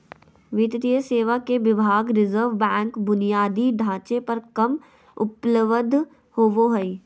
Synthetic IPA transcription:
ʋɪt̪d̪ijəseːʋakeʋɪbʱaːɡɾɪzəɾʋbɛ̃ːŋkbʊnijaːd̪iɖʱãːt͡ʃepɐɾkɐm | ʊpləʋəd̪ʱ | hoːʋoɦəi

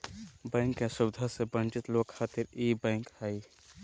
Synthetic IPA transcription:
bɛ̃ːŋkːesʊbd̪ʱasebə̃nt͡ʃɪt̪loːkxʰaːt̪ɪɾiːbɛ̃ːŋkhai

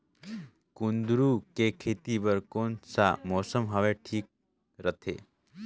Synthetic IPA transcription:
kũnd̪ɾukekʰet̪ibəɾkonsa̰mɔsəmɦəʋeʈʰiːk̚ | ɾət̪ʰḛ

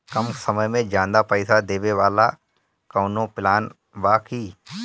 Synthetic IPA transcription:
kəmsəməjmẽd͡ʒãːnd̪apəɪsad̪eːʋeʋaːla | kəːnõpɪlaːn | baːkʰiː

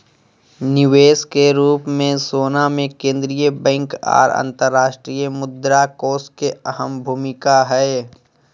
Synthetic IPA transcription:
nɪʋeːskeɾuːpmẽsoːnamẽkẽːnd̪ɾijəbɛ̃ŋka̰ːɾə̰̃nt̪əɾːaːʃʈɾiːjəmʊd̪ɾakoːskeɐɦəmbʱuːmɪkaɦɛe

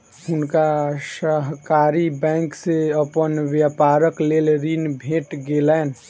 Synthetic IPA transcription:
ɦʊnkasəɦkaːɾibɛ̃ŋkseəpənʋjəpaːɾəkleːlɾinbʱeːʈɡelɛːn

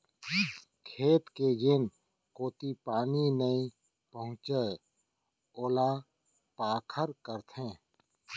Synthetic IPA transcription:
kʰeːt̪ked͡ʒɪn | koːt̪ipaːninəĩ | pəɦʊ̃t͡ʃə | oːla | paːkʰəɾkəɾt̪ʰẽː

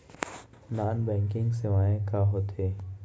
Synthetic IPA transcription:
naːnbɛ̃ːŋkɪ̃ŋɡseʋaːẽkaɦoːt̪ʰeː

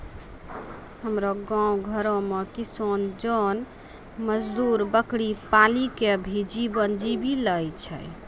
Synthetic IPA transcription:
ɦəmɾoɡãũɡʱəɾõmekisond͡ʒɔn | məd͡ʒd̪uɾbəkɽipalikeəbʱid͡ʒibənd͡ʒibiləjt͡ʃʰə̰j

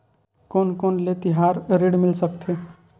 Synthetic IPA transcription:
koːnkoːnlet̪iɦaɾɾeɽmɪlsəkt̪ʰe

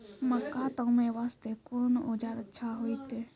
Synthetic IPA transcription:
məkːat̪ə̃mẽʋaːst̪ekonod͡ʒaɾətːʃʰaɦoit̪e

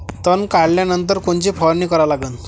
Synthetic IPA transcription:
t̪ənkaɽljanənt̪əɾkoɳt͡ɕipʰɔɾniːkəɾalaɡən

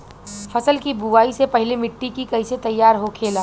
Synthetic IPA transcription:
fʰɐsəlkibuʋaːisepɐɦɪlemɪʈːikikɐiset̪ɐjːaːɾɦokʰeːlaː

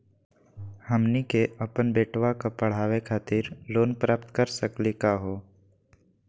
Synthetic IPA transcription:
həmnikeʔəpənbeːʈʋakapəɽ̤aːʋekʰaːt̪ɪɾloːnpɾaːp̚t̪kəɾsəklikaɦoː

